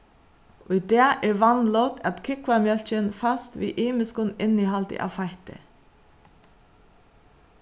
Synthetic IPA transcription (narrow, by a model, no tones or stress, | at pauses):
ʔʊɪd̪eːʔɛːɹʋɑnlɔt̪ʰɛt̪kʰɪkʋamjœlçənfɑst̪ʋḭːʔiːmɪskʊnɪnihɑlt̪ə̰ʔɑ̰ːʋfɑɪt̪ə̰